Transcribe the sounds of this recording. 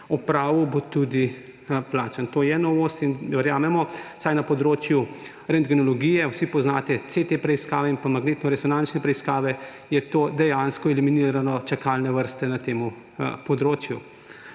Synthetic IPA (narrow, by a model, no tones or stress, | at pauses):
upɾaːʋubot̪ud̪i | plaːt͡ʃənt̪oːjɛnɔʋost̪inʋɛɾjaːmɛmɔsajnapɔd̪ɾoːt͡ʃju | ɾɛnd̪ɡɛnɔlɔɡijɛwsipɔznaːt̪ɛt̪set̪epɾɛiskaːʋɛinpamaɡneːt̪nɔɾɛsɔnant͡ʃnɛpɾɛiskaːʋɛ | jɛt̪oːd̪ɛjanskɔɛliminiːɾanɔt͡ʃakalnɛʋəɾst̪ɛnat̪eːmu | pɔd̪ɾoːt͡ʃju